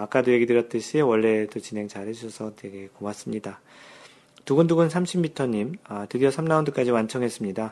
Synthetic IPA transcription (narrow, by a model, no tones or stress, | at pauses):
ak͈adoje̞ɡidɯɾjʌt͈ɯɕʰiwʌɭːe̞dot͡ɕinɦe̞ŋt͡ɕaɾhe̞d͡ʑuɕʰʌsʰʌteɡe̞komas͈ɯmɲida | tuɡɯnduɡunsʰamɕʰimːitʰʌɲimatɯdiʌsʰamnaundɯk͈ad͡ʑiwant͡ɕʰʌŋɦe̞s͈ɯmɲida